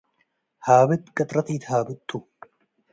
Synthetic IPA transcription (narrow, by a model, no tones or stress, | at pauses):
haːbɪt̪ːkʼɐt̪ʼɾɐt̪iːt̪haːbɪt̪ʼːʊ